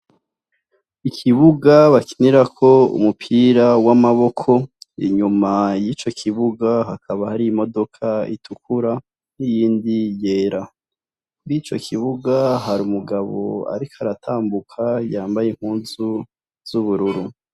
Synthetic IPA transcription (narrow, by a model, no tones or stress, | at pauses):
ikʰiβuɡaβaki̥niɾakʰo̞ṵmupʰiɾawamaβo̞kʰo̞ḭɲumajit͡ʃo̞kʰiβuɡaɦakʰaβahaɾiimo̞do̞kʰaḭtʰukuɾa | nijiːndijeːɾa | ɡit͡ʃo̞̰kʰiβuɡaɦaɾiumuɡaβo̞̰a̰ɾikʰaɾatʰaːmbukʰajaːmbajeŋ̥huːnzu | z̥uβuɾuɾu